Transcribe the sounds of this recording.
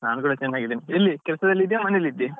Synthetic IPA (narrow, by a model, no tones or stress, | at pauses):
naːnkuːɽɐt͡ɕenːaːɡid̪enielːikɛlsɐd̪ɐlːid̪jamɐnelːid̪ːi